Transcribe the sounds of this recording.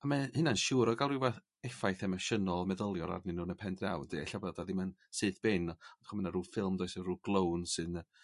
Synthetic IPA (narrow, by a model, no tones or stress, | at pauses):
amahɨnanʃuːɾɔɡalˠriwbɛθ | ɛfajθɛmaʃənɔlˠmɛðəlˠjɔɾa̰rnɨnuːnəpʰɛndrawd̥eɛɬawbɛdaðɪmənsɨːθb̥ɪnɔɔd̥χɔmənaɾuːfɪlˠmdojsəruːɡ̥lˠownsɨnə